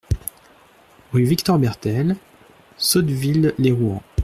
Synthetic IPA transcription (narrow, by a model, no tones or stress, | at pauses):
ʁyvikt̪ɔʁbɛʁt̪ɛl | sɔd̪vilːeʁuɑ̃